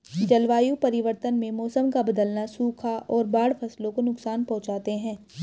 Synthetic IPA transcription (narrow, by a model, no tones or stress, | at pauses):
d͡ʒɐlʋaːjũpɐɾɪʋəɾt̪ənmẽmɔːsəmkabɐd̪əlnasuːkʰaʔɔːɾbaːɽfɐslõkonʊksaːnpɐ̃ɦʊ̃t͡ʃaːt̪eɦɛ̃ː